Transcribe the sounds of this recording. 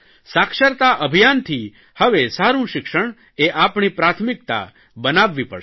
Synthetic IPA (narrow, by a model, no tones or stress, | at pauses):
sakʃəɾt̪aʔəbʱijant̪ʰi | həʋesaɾũʃɪkʃəɳ̃ | eʔapɳipɾat̪ʰmɪk̚t̪a̰ | bənaʋːipə̰